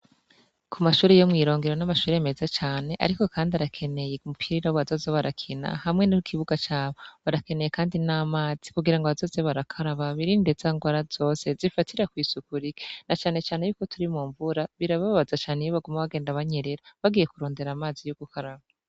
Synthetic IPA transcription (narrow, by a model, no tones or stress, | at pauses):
kʰumaʃuːɾejomŋiːɾo̞ːŋɡeɾo̞namaʃuːɾeme̞zat͡ʃaːne̞ʔa̰ɾiko̞kʰaːndiaɾakʰe̞ne̞jeumupʰiɾiɾawβazo̞zoβaɾakʰina̰hamŋe̞nukʰiβuɡat͡ʃaːβoβaɾake̞ne̞je̞kʰaːndinaːmaːz̥ikuɡiɾaŋɡoβazo̞ːzeβaɾakʰaɾaβaβiɾinde̞z̥aːŋɡwaɾazo̞ːse̞zifatʰiɾakwiːsukuɾiɡe̥nat͡ʃaːne̞t͡ʃaːnejuːko̞tʰuɾimuːɱvuɾaβiɾaβaβaβazat͡ʃaːnejoβaɡumaβaɡe̞ːndaβaɲe̞ɾeɾaβaɡije̞kuɾo̞ːnde̞ɾaːmaːzijuɡ̥ukʰaɾaβa